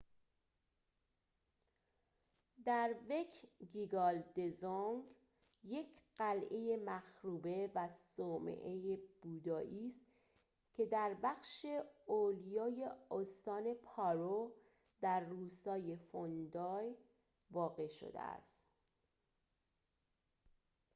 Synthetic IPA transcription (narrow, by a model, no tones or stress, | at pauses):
d̪æɾve̞kʰɡiɡɒːld̪e̞zoŋɡ | je̞cʰɢ̥ælʔe̞jemæxɾuːbe̞væsoːmḛʔejeb̥uːd̪ɒːʔiːst̪ | cʰe̞d̪æɾbæxʃe̞olijɒːje̞ost̪ɒːne̞pʰɒːɾo | d̪æɾːuːsɒːje̞fond̪ɒːj | vɒːɣe̞ʃo̰d̪ḛæ̰st̪